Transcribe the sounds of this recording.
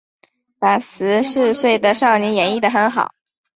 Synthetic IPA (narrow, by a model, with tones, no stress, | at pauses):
pa˨˩sɹ̩˧˥ʂɻ̩˥˧swe˥˩ɪd̪ə˩ʂɑ˥˩ʊnjɛ˧˥njɛ˧˥ni˥˩d̪ə˩xə˧˥nxɑ˨˩˦ʊ